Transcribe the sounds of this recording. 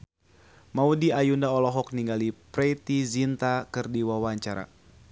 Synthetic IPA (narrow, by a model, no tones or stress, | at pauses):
maudiajundaɔlɔɦɔk̚niŋɡalipɾet̪izint̪akɨrdiwawaɲt͡ʃaɾa̰